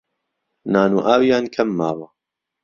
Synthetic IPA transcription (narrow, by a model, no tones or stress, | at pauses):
naːnuːʔaːwijaːnkʰɐmːaːwɐ